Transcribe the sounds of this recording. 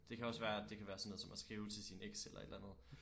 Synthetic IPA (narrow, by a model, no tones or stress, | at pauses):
d̥e̝kʰæɒ̽sʋæːɐæd̥e̝kʰæʋæːɐsɒnoðˠsɒ̽mæsɡ̥ʁiːʊt͡sʰe̝lsineɡ̥selɐ̰e̝d̥lænð̞̩ˠ